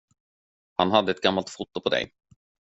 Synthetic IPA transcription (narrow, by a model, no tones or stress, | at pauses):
hanɦad̪ːəɛt̪̚ɡamːalt̪fʊt̪ːʊpʰɔd̪ɛ̰j